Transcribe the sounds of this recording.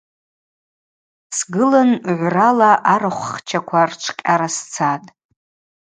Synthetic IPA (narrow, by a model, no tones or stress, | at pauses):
sɡɨlanʕʷralaʔaɾɨχʷχt͡ʃʰakʷʰart͡ʃʷʰkʲʼaɾast͡sʰatʼ